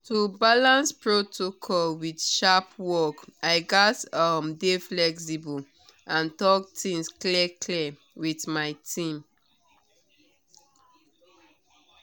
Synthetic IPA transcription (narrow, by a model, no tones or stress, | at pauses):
tubalãnspɹotʰokʰɔlwidʃapwɔkaɪɡatʌmdeflɛksibul | ʔãntɔktĩŋsklɛkʰlɛ | witmaɪtʰĩm